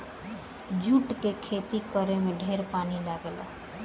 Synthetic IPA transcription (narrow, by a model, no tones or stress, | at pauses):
d͡ʒuʈkekʰet̪ikəɾemeɖʱeɾpanilaɡel